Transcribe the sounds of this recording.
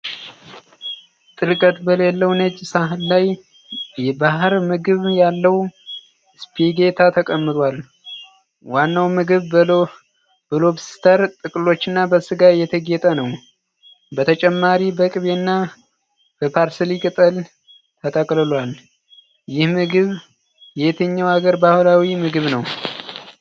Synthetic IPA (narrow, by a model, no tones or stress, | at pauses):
t̪ʼɨɾkʼət̪bəlelːəwnət͡ʃʼːsaɦɨlːaj | jɛbahɨɾmɨɡɨβjalːəw | spʰiɡe̞t̪ʰat̪ʰəkʼəmːɨt̪ʼwal | wanːawmɨɡɨβ | b̥əlo̞βst̪ʰəɾt̪ʼɨkʼɨlo̞t͡ʃːɨnːabəsɨɡajɛt̪ʰəɡɛt̪ʼənəw | bət̪ʰət͡ʃʼɛmːaɾibəkʼɨβenːa | b̥əpʰaɾsɨlikʼɨt̪ʼəl | t̪ʰət̪ʼəkʼlɨlwal | jɪhmɨɡɨβ | jɛt̪ʰəɲːawaɡəɾbahlawimɨɡɨβnəw